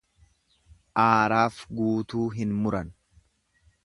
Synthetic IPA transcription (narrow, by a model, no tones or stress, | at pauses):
ʔaːɾaːfɡuːt̪uːɦɪnmʊɾɐn